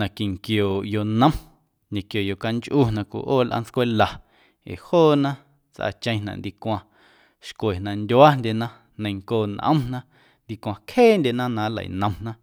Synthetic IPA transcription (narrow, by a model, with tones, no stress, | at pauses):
nã˨ki˨ŋkjoː˨jo˧nə̃˦m | ɲẽ˨kjo˨jo˧ka˧nt͡ʃʔu˦˨nã˧kʷṵ˧˨ʔoː˦˨lʔa̰˦nt͡skʷe˦la˨ | ḛ˨hoː˦˨nã˦ | t͡sʔa̰˧˨t͡ʃə̃˧j̃nã̰˨ʔnd̪i˧kʷã˧ | ʃkʷe˨nã˧˨ndʲwa˦ndʲe˧˨nã˦ | nə̃˧jŋkoː˧˨nʔə̰̃˦mnã˦ | nd̪i˧kʷã˧kheː˦˨ndʲe˧˨nã˦nã˧˦lə̰˨nə̃˧mnã˦